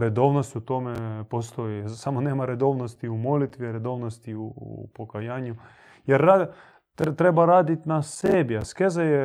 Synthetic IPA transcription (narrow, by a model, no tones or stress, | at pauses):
ɾed̪o̞ʋnost̪ut̪o̞mepost̪ojisamoneːmaɾed̪o̞ʋnost̪iumo̞lit̪ʋiɾed̪o̞ʋnost̪iuṵpokajaːɲu | jeɾa | t̪ɾebaɾaːd̪it̪nasebiaskezaje